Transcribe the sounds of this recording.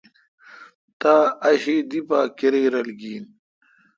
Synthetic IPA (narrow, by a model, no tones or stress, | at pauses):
t̪aːɐɕid̪ipaːkeɾeːɾɐlɡiːn